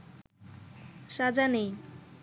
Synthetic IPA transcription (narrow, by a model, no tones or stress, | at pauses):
ʃad͡ʑanej